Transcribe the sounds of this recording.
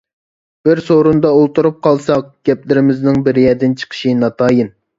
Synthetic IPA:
b̥ɪɾsoɾund̪ɑolˠt̪uɾup̚qʰɑlˠsɑqɡ̥ʲɛplɪɾɪmɪznɪŋbɪɾjɛd̪ɪnt͡ʃʰə̥qʰə̥ʃinɑt̪ʰɑːjin

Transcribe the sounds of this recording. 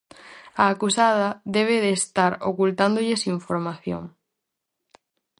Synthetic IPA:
aːkusað̞ɐðeβ̞eðeːst̪aɾokult̪and̪oʎesiɱfoɾmaθjo̰ŋ

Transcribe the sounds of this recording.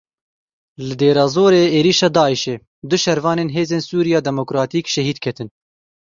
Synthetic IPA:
lɨd̪eːɾɑːzoːɾeːeːɾiːʃɑːd̪ɑːiʃeː | d̪ʊʃɛɾvɑːneːnɦeːzeːnsuːɾijɑːd̪ɛmokɾɑːt̪iːkʃɛɦiːd̪kʰɛt̪ɨn

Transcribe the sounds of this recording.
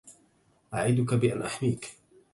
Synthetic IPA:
ʔaʕiːd̪ʊkabɪʔanʔaħmiːk

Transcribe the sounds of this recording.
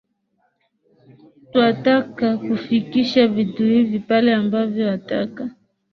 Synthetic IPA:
twatakakufikiʃavituhivipalɛambavjɔwata̰ka

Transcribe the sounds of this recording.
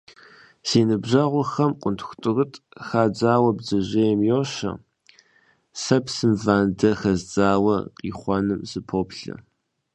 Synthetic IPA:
siːnɨbʑɐʁʷʊxɐmqʷʼʊntʰxʷtʼɨrɨtʼxaːd͡zaːwɐbzɐʑejmjoːɕɐ̰ | sɐpsɨmvaːndɐxɐzd͡zʼaːwɐ̰qiːχʷɔnɨmzɨpʰoːpɬɐ̰

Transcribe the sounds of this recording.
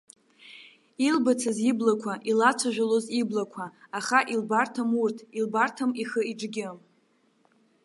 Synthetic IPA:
ilbat͡sʰaziblakʷʰaʔilat͡sʷʰaʒᶣʷaloziblakʷʰaːχaʔilbartʰamurtʰilbartʰamiχəiʈ͡ʂɡʲɪm

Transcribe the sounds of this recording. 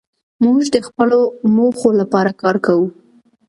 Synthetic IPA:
muʒd̪əxpəlomoxolapɑɾakɑɾkawu

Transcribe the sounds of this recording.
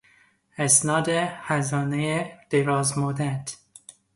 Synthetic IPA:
æsnɒːd̪ehæzɒːnejed̪̥eɾɒːzmod̪æt̪

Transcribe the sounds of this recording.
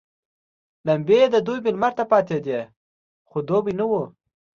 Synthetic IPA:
lambed̪əd̪ujbɪlmaɾt̪apɑt̪ed̪e | xod̪obinəwu

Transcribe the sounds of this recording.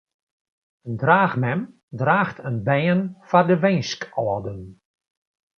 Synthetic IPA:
əndraːxmɛm | draːxtʰənbɛːənfardəʋɛjskɔədən

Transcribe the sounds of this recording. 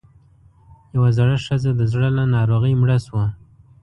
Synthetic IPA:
jawazaɽəʂəzad̪əzɽəlanɑɾoɣəjmɽəswa

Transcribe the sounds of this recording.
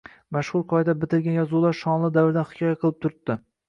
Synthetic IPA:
maʃχʊɾqʰɒjed̪abɪt̪ʰɪɾɡʲanjɒzulˠaɾʃɒnlˠɪd̪avɪɾd̪anχɪ̥kʲʰɒjaqʰɨlˠɪp̚t̪ʰʊɾt̪ːɪ

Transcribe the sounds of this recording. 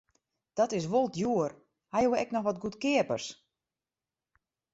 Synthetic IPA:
d̥ɔtɪs̬ʋolˠtjuər | hajuwɛknɔxʋɔtɡutkɪəpərs

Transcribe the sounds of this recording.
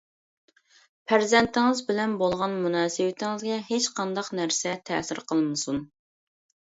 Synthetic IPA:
pʰæɾzɛnt̪ʰɪŋɨzbɪlɛnbolˠʁɑnmunɑːsɨwɪt̪ʰɪŋɪzɡʲɛɦet͡ʃqʰɑnd̪ɑqnæɾsɛt̪ʰɛːsɪɾqʰəlˠmɨsun

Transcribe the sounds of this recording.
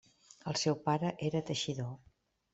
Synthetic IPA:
əlˠsɛwpaɾəʔeɾət̪əʃiðo

